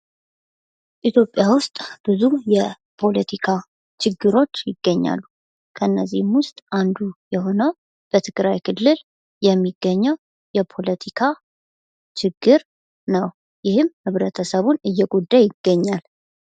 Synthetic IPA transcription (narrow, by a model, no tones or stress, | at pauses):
ʔit̪ʰjo̞pʼːjawʊst̪ʼb̥ɨzujɛ | pʰo̞lət̪ʰikʰa | t͡ʃʰɪɡːɨɾo̞t͡ʃːjɪɡːəɲːa̰lːu | kʰəɨnːəzːḭhmwʊst̪ʼʔand̪ujɛɦo̞nəw | b̥ət̪ʰɨɡɾajkʰɨlːɨl | jɛmːiɡːəɲːəw | jɛpʰo̞lət̪ʰikʰa | t͡ʃɪɡːɨɾ | nəw | jɪhɨmhɨβɾət̪ʰəsəβunɨjːɛɡud̪ːajɪɡ̥ːəɲːal